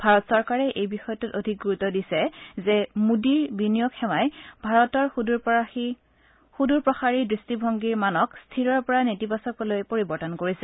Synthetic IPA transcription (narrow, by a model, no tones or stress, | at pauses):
b̥ʱaɹɔtsɔɹkaɹɛʔejbixɔjɔtutodʱik̚ɡuɹutɔdisɛzɛmudiɹbinijokxɛmajbʱaɹɔtɔɹi | xuduɹpɹɔxaɹidɹistibʱɔŋɡiɹmanɔkstʰiɹɔɹpɔɹanetibasɔkɔlojpoɹibɔɹtɔnkoɹisɛ